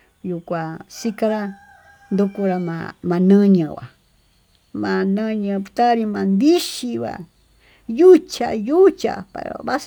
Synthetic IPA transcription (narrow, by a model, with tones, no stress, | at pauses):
ju˨kʷa˨si˦ka˧ɾa˦ | nd̪u˧ku˧ɾa˧mã̰˧mã˧nə̃˦ɲə̃˨βa̰˨ | mã˧nə̃˧ɲə̃˧pt̪a˦ɾi˧mã˧nd̪i˦ʃi˧βa̰˨ | ju˦t͡ʃa̰˧ju˦t͡ʃa̰˨pa̰˨ɾa̰βa˦s